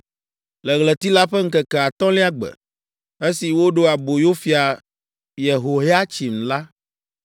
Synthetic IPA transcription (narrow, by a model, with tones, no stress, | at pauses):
lɛ˨ɣlɛ˨t̪i˦la˦ɸɛ˦ŋ̩˦kɛ˨kɛ˨a˨t̪ɔ̃˦li˦a˦ɡ͡bɛ̰˨ | e˦si˨wo˦ɖo˦a˨bo˨jo˦fi˨a˨ | je˨ɦo˨ɦe˦a˦t͡ɕi˨m̩˨la˦